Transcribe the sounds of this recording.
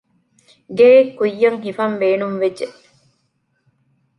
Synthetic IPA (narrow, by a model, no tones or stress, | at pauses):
ɡeːkːujːɐŋɦifɐmbeːnumʋed͡ʒeʔ